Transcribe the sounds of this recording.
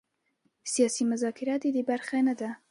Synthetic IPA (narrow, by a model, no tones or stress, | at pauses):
sijɑːsimʊzɑːkʰɪɾɑt̪id̪ibaɾxenad̪a